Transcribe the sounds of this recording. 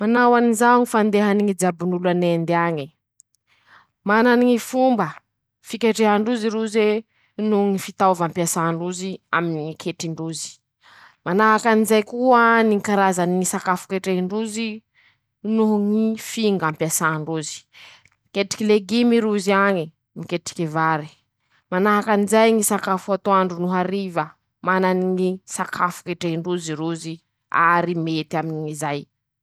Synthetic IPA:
manawanizaŋifand̪eɦaniŋid͡zabunulanend̪aɲi | mananiŋifumbə | fikʲeʈ͡ʂeɦaɳɖ͡ʐuziɾuze | nuŋifit̪avampiasaɳɖ͡ʐuzia̰minikʰeʈ͡ʂiɳɖ͡ʐuzi̥ | manaɦakanizajkuənikaɾazaniisakafu̥keʈ͡ʂeiɳɖ͡ʐuzi | nuɦŋifiŋɡampasaɳɖ͡ʐuzi̥ | ikeʈ͡ʂi̥kileɡimiɾuziaɲi | mikeʈ͡ʂi̥kevaɾi̥ | manaɦakanizajŋisakafuat̪oaɳɖ͡ʐunuɦaɾivə | mananiŋisakʰafu̥keʈ͡ʂeɦiɳɖ͡ʐuziɾuzi | a̰ɾimet̪iaminiŋizaj

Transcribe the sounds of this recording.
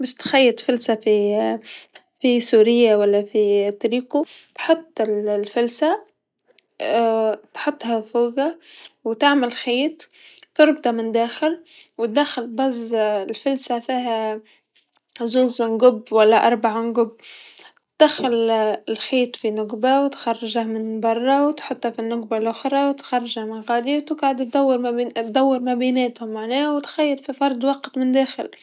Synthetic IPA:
baʃt̪xajːɪt̪fɪlsafi | fisuːɾɪjːawalːafit̪ːɑɾiːkut̪ħʊt̪ˤːɪllfʊlsa | t̪ħʊt̪ˤːhafuːɡawɪt̪aʕmalxiːt̪ˤːʊɾˤbt̪ˤɑmɪnd̪aːxɪlwɪt̪̚d̪axɪlbazɪlfɪlsafiːɦa | zuːzɪnɡʊbːwalːaʔɑɾˤbaʕmɪnɡʊbː | t̪̚d̪̥axalɪlxiːt̪finʊɡbawt̪xɑrˤːɑʒamɪnbɑrˤːɑwt̪ħʊt̪ˤːafinːʊɡ̚balʔʊxɾˤɑwt̪xɑrˤːɑʒamɪnɣaːd̪iwt̪ɪɡʕad̪t̪̚d̪awːɪɾmt̪d̪awːɪɾmabiːneːt̪hʊmːaʕneːwt̪xajːɪt̪fifɑɾˤd̪wɑqt̪mɪnd̪eːxɪl

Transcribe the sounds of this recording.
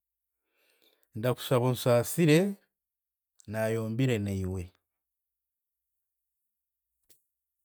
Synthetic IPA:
ndaku̥saβonsaːsiɾe̞ | naːjo̞ːmbiɾe̞neiwe̞

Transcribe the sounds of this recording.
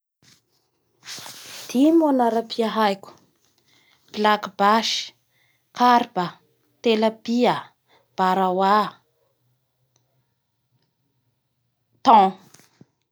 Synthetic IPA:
d̪̥imonaɾapʰiaɦajkʲu̥ | b̥lakibaʃi̥ | kaɾbə | t̪eləbiə | b̥aɾawa | t̪ɔ̃

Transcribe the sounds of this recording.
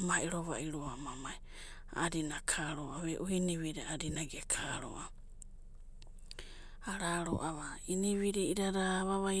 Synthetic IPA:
maʔiɾoβa̰ʔiɾuamamaj | a̰ɾinakʰaɾoʔaβeʔuhiniβiɾiadinaɡekʰaɾo̰ʔa | aɾaɾo̰ʔaβainiβiɾiiɾaɾaβaβa

